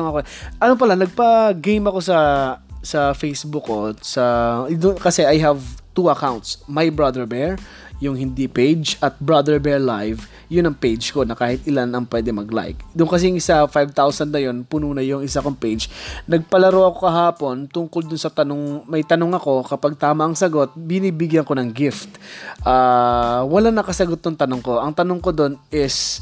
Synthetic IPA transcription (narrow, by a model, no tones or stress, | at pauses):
ŋɐkoɛ | ʔɐnop̬ɐlanɐɡ̚pɐɡejmɐko̞sɐsɐfejsbʊkːosɐd̪ʊkɐsɛʔajɦɐvt̪uɐkawnt̪smajbɹad̪ɛɹbɛɹ | jʊŋhɪnd̪ipejd͡ʒɐt̪̚bɹad̪ɛɹbɛɹlajv | jʊnɐŋpejd͡ʒko̞nɐkaːhɪt̪̚ɪlanɐŋpwɛːd̪ɛmɐɡla̰jk̚d̪ʊŋkɐs̬ɛjʊŋɪsafajvt̪awsɐnd̪nɐjo̞npunuːnɐjʊŋɪsakoŋpejd͡ʒnɐɡ̚pɐlɐɾoʔɐko̞kɐɦaːpo̞nt̪ʊŋkold̪ʊnsɐt̪ɐnoŋmɐjt̪ɐnoŋɐko̞kɐpaɡ̚t̪aːmɐʔɐŋsɐɡo̞t̪̚bɪniːbɪɡjɐnko̞nɐŋɡɪft̪ʔaːwɐlanɐkɐsɐɡot̪̚ːʊŋt̪ɐnoŋko̞ʔɐŋt̪ɐnoŋko̞d̪o̞nʔɪs